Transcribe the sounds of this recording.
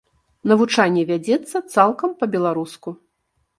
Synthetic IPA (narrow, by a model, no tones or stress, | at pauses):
nɐvut͡ʂanʲːɛvʲad͡zʲɛt̪sːɐt̪salˠkɐmpɐbʲɛlˠaɾusku